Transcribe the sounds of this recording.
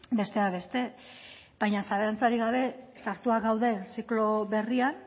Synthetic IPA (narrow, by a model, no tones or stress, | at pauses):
be̞st̪eaβe̞st̪e̞ | b̥ajɲasaɾeant͡saɾiɣaβe̞saɾt̪uaɡawðe̞siklo̞βe̞rian